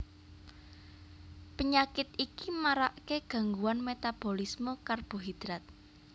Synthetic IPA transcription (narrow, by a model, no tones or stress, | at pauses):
pəɲakɪt̪ikimaɾaʔkeɡ̥ä̤ŋɡuwanmet̪ab̥o̤lismokarb̥o̤ɦid̪̥ɾat̪̚